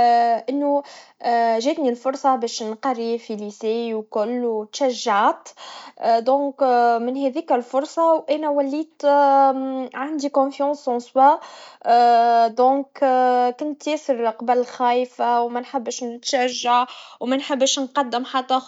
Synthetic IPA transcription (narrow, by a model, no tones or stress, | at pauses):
ʔɪnːu | ʒɛːt̪nilfʊɾˤsˤɑbɛːʃnqɑrifilisɛːwkʊlːwt̪ʃæʒːaʕat̪ | d̪ɔ̃ːkmɪnhɛðiːkælfʊɾˤsˤɑwʔænæwælːiːt̪ | ʕand̪ikɔ̃fjɑ̃ːsɑ̃swa | d̪ɔ̃ːkkʊnt̪jɛːsɪɾqɑbælxæːjfawmænħɪbːʃnɪt̪ʃæʒːaʕwmænħɪbːʃnqɑd̪ːɪmħat̪ːæ